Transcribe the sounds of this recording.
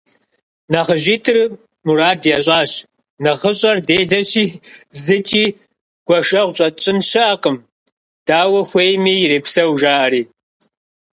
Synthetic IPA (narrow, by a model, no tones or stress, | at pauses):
nɐʁəʑiːtʰɨr | muɾaːdjaːɕʷʼɑːɕ | nɐʁəɕʼɐrdeːɮɐɕiːzɨt͡ʃʼiː | ɡ̥ʷɔʃʼɐʁʷɕʼɐt͡ʃʼɪnɕɪaːqʼəm | d̥aːwɐxʷejmiːjɾeːpsɐwʒaːʔɐɾiː